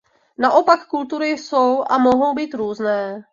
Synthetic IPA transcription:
naʔo̞pakːult̪uɾɪsowʔamoɦo̞wbiːt̪ɾuːznɛː

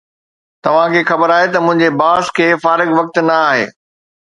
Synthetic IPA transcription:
t̪ɐʋ̤ãkʰeːxɐbəɾaːɦet̪ɐmʊ̃ɦɪ̃ɲd͡ʑebaːskʰeːfaːɾɪɡʋɐk̚t̪nɐaːɦḛː

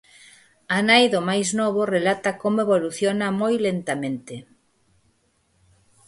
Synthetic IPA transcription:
anajðomajznɔβ̞orelat̪akomoeβoluθjonamojlent̪amẽnt̪e

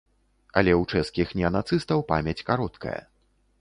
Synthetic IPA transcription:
ɐ̰lʲɛwt͡ʂɛskʲixnʲɛɐnat̪sɨst̪ɐwpamʲɛt͡sʲkaɾɔt̪kɐ̰jɐ̰

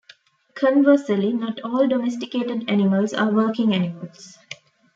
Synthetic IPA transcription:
kʰə̃nʋəːsəlinɔʈʰɔːlɖɔmesʈikeːʈeɖænɪməlsa̰ːʋəːkɪ̃ŋænɪməls

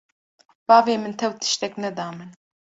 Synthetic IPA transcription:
bɑːveːmɨnt̪ʰɛwt̪ʰɨ̥ʃt̪ɛknɛd̪ɑːmɨn

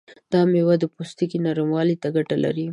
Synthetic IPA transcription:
d̪̥ɑmewad̪əpost̪ikinaɾamwɑlit̪aɡaʈala̰ɾi

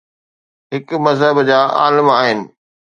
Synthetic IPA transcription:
ɦɪkmɐzɦəbd͡ʑaːa̰ːləmaːɦɪnɪ̆

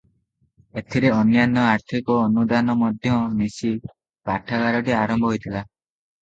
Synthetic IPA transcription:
et̪ʰiɾeɔnjanːɔaɾt̪ʰikɔːnud̪anɔmɔd̪ʱjɔnisi | paʈʰaɡaɾɔʈiaɾɔmbʱɔɦojt̪ʰila

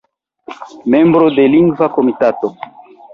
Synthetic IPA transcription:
me̞mbɾo̞deliŋɡvakomitato

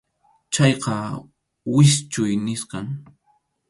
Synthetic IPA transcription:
t͡ʃɑjqɑ | wɪst͡ʃʊjnɪsqɑŋ

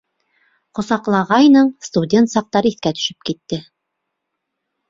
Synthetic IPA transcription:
qŏsɑqlˠɑʁɑjnɤɴst̪udʲe̞nt̪sɑq̚t̪ɑɾɤiθkæt̪ɵ̥̆ʃɵ̥p̚kit̪ːɘ

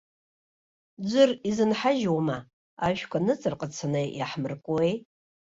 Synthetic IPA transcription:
d͡ʒʷɨrizɨnħaʒwama | aʒʷᶣkʷʰanɨt͡sʼɨrqʼət͡sʰanɨjaħmɨrkʷʼuej

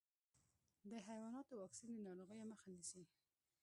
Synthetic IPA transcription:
d̪əɦajwɑnɑt̪owɑksind̪ənɑɾoɣəjaməxanisi

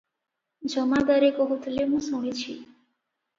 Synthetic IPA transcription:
d͡ʒɔmad̪aɾekɔɦot̪ʰlemũsũɽet͡ɕʰḭ

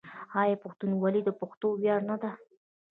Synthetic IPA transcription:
hɑjɑpʊxt̪unwalid̪əpaxt̪owjɑɾnad̪a

